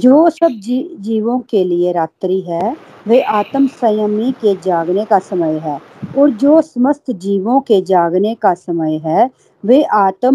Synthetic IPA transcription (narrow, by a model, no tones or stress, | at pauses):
d͡ʒoːsəb̚d͡ʒid͡ʒiːʋõːkeːlɪeːɾaːt̪ɾiːɦɛː | ʋeːʔaːt̪əmsəjəmiːked͡ʒaːɡneːkaːsəməjɦɛː | ɔːɾd͡ʒoːsəməst̪ʰd͡ʒiːʋõːked͡ʒaːɡneːkaːsəməjɦɛː | ʋeːʔaːt̪ə